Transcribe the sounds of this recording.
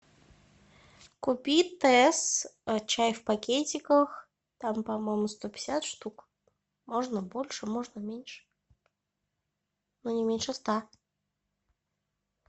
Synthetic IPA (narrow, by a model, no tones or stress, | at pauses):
kupʲit̪əɛst͡ɕajvpakʲetʲɪkəx | t̪ampamojmʊst̪opʲɪ̥sʲat̪ʂt̪uk | moʐnəbolʲʂəmoʐnəmʲenʲʂə̥ | nonʲɪmʲenʲʂəst̪a